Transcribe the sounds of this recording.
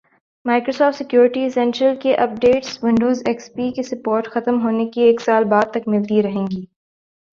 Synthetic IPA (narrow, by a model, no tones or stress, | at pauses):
maːɪkɾoːsɔːfʈsɪkjuːɾɪʈisɛ̃nʈɾəlkeʔɐp̚ɖeːʈswɪ̃ɳɖoːzɛkspiːkesɐpoːɾʈxɐt̪əmɦoːnekieːksaːlbaːd̪̚t̪ɐkmɪlt̪iɾɐɦẽːŋɡiː